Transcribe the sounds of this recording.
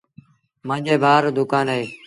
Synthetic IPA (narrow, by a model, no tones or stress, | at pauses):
mə̃ːd͡ʒeːbʱaːɾd̪ʊkaːneː